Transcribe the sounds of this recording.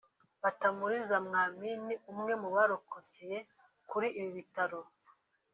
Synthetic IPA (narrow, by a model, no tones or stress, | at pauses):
βatamuɾizamŋaːminiumŋe̞muβaɾokʰoceje | kuɾiʔːβiβitaɾo